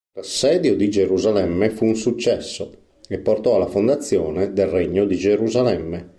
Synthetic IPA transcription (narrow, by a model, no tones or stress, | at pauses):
lasːɛːd̪jod̪id͡ʒeɾuzalɛmːefuːnsut͡ʃːɛsːo | epːort̪ɔalːafond̪at̪sːjɔːned̪elreɲːod̪id͡ʒeɾuzalɛmːe